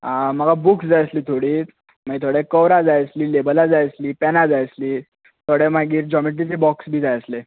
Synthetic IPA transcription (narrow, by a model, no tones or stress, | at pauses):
aməɡabuksd͡zajəsliːt̪ʰoɽiː | məit̪ʰoɽekəʋɾad͡zajəsliːlebəlad͡zajsliːpɛnad͡zajsliː | t̪ʰoɽemaɡiːɾd͡ʑɔmeʈ̬it͡sebɔksbʱiːd͡zajəsle